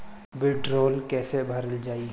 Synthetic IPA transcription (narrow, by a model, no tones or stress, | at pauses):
beːʈɾoːlkɛːsebʱəɾəld͡ʒaːi